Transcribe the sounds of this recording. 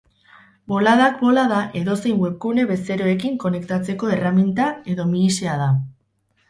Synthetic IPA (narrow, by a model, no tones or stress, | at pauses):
bo̞laðakbo̞laðaʔe̞ðo̞se̞jŋɡwelkune̞βe̞se̞ɾo̞e̞kiŋko̞ne̞kt̪at͡se̞ko̞e̞ramint̪ae̞ðo̞miiseað̞a